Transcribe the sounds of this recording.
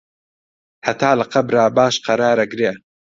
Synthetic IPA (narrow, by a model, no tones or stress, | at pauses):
hɐt̪ʰaːlɐqɐbɾaːbaːʃqɐɾaːɾɐɡɾeː